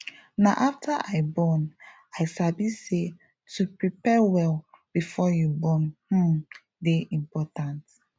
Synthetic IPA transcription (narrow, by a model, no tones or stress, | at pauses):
naʔaftʰaʔaɪbɔn | aɪsabise | tʰupɹipɛwɛl | b̥ifɔjubɔ̃nhũm | deʔĩmpɔtãnt